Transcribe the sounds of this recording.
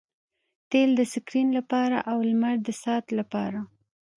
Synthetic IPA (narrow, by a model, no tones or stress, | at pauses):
t̪eld̪əsɪkɾinlapɑɾa̰ʔawlmaɾd̪əsɑt̪lapɑɾa